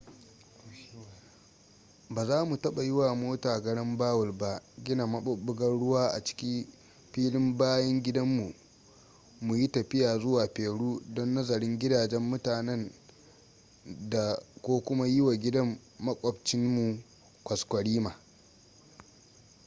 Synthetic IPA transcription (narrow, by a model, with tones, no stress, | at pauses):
baː˨zaː˦mu˨tɐ˦ɓa˨jɪ˦waː˨moː˦taː˨ɡɐ˦ɽɐ˦mbaː˦wʊ˨lba˦ʔɡʲɪ˦na˨mɐ˦ʊ˦ɓʊ˦ɡɐ˦nɽʊ˦waː˦ʔa̰˨t͡ʃɪ̥˦kʲi˦ | ɸiː˦lɪ˦mbaː˦jɐ˦ŋɡʲɪ˦dɐ˦mːu˨ | mu˨ji˦tɐ˨ɸɪ˦jaː˨zʊ˦waː˨ɸeː˨ɽuː˦dɔ˦nːɐ˦zɐ˨ɾɪ˦ŋɡʲɪ˦daː˨d͡ʒɛ˦mːʊ˦taː˨nɛ˦n | da˨kʷoː˦kʷʊ˦ma˦jɪ˦wa˨ɡʲɪ˦dɐ˦mː | ɐ˦kʷʼɔ˨bt͡ʃɪ˦nmu˨ | kʷɐ˨skʷɐ˨ɽiː˦maː˨